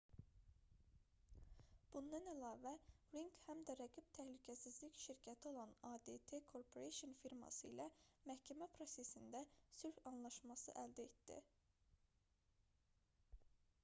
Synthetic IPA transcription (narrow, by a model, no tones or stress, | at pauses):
b̥und̪ɑnælɑːvæɾiŋkhæmd̪æɾæɡib̥t̪ʰæhlycʰæsizlicʃiɾcʰæt̪ʰio̞lˠɑnɑd̪et̪ʰekʰo̞ɾpʰo̞ɾeʃonfiɾmɑ̰sɯḭlæmæhcʰæmæpʰɾo̞se̞sind̪æsyɾçɑnlˠɑʃmɑsɯ̰ʔæld̪æet̪d̪ḭ